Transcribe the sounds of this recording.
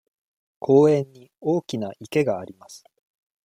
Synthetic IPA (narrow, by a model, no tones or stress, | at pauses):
kʰo̞ːẽ̞ɲːi | o̞ːkʲinaʔike̞ɡaːɾʲimasɨ̥